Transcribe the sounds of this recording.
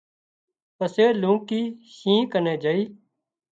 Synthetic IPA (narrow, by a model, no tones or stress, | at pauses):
pəseːlũːkiːʃĩːkəneːd͡ʒəiː